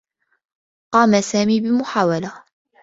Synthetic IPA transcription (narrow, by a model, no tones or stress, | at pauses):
qɑːmasaːmiːbɪmʊħaːwala